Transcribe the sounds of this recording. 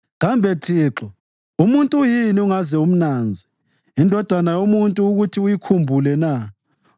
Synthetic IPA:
ɣambʱɛǁʰiːǁɔ | umuntʼujiniuŋazɛum̩naːnd͡zʱi | indʱɔd̥ʱanajomuntʼuːɣutʰiujikʰumbʱulɛna

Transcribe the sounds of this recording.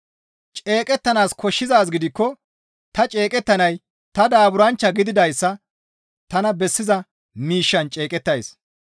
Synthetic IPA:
t͡ʃʼe̞ːkʼɛt̪ːɐnaːskʰɔʃːɪzaːs̬ɡɪd̪ɪkːɔ | t̪ɐt͡ʃʼe̞ːkʼɛt̪ːɐnɐj | t̪ɐd̪aːbʊɾɐnt͡ʃːɐɡɪd̪ɪd̪ɐjsːɐ | t̪ɐnɐbɛsːɪzɐ | miːʃːɐnt͡ʃʼeːkʼɛt̪ːɐjs

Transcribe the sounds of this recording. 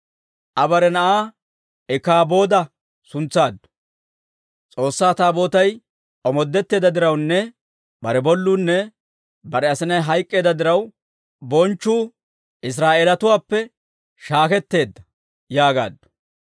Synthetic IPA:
ʔɐbɐɾɛnɐʔaː | ɛkaːbo̞ːd̪ɐ | sʊnt͡saːd̪ːɔ̥ | t͡sʼo̞ːsːaːt̪aːbo̞ːt̪ɐj | ʔɔmɔd̪ːɛt̪ːe̞ːd̪ɐd̪ɪɾɐwnːɛ | bɐɾɛbɔlːuːnːɛ | bɐɾɛɐsɪnɐjɦɐjkʼːe̞ːd̪ɐd̪ɪɾɐw | bɔnt͡ʃːuː | ɪs̬ɾaːʔeːlɐt̪ʊwaːpːɛ | ʃaːkɛt̪ːe̞ːd̪ːɐ | jaːɡa̰ːd̪ːɔ̥

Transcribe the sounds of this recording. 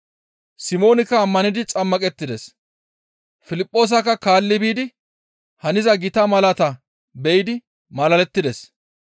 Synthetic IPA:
sɪmo̞ːnɪkːɐːmːɐnɪd̪ɪt͡sʼɐmːɐkʼɛt̪ːɪd̪ɛs | fɪlɪpʼːo̞ːs̬ɐkːɐkaːlːɪbiːd̪ɪ | hɐnɪzɐɡɪt̪ɐmɐlɐt̪ɐ | bɛjɪd̪ɪ | mɐlɐlɛt̪ːɪd̪ɛs

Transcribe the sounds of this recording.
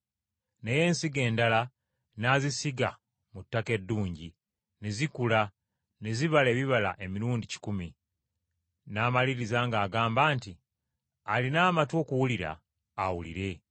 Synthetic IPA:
ne̞je̞ːnsiɡe̞ːndala | naːzisiɡa̰ | mutːake̞dːuːɲɟi | nezikula | neziβale̞ːβiβala̰ʔe̞miɾuːndici̥kumi | naːmaliɾizaŋɡaːɡaːmbaːnti | alinaːmatwo̞ːkuwuliɾa̰ː | wulḭɾe̞

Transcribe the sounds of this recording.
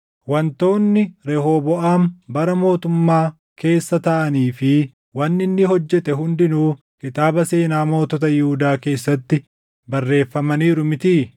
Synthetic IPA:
wɐnt̪o̞ːnːɪɾɛɦoːbɔʔaːmbɐɾɐmo̞ːt̪ʊmːaː | ke̞ːsːɐt̪ɐʔɐniːfɪ | wɐnːɪnːɪɦɔd͡ʒːɛt̪ɛɦʊnd̪ɪnuː | kɪt̪aːbɐse̞ːnaːmo̞ːt̪ɔt̪ɐjɪhʊd̪aːke̞ːsːɐt̪ːɪ | bɐrːe̞ːfːɐmɐniːɾʊmɪt̪iː

